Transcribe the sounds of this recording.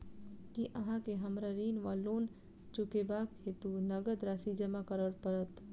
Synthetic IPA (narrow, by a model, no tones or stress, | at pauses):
kiʔəɦãkeɦəmɾaɾiːnʋalon | t͡ʃukebakhet̪unəɡəd̪ɾasid͡ʒəmakəɾəɽpəɾət̪